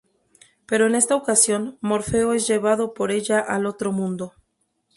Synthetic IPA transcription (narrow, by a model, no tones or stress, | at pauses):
pe̞ɾo̞ene̞st̪aokasjo̞nmo̞ɾfe̞oe̞zʝe̞β̞að̞o̞po̞ɾe̞ʝaʔalo̞t̪ɾo̞mũnd̪o̞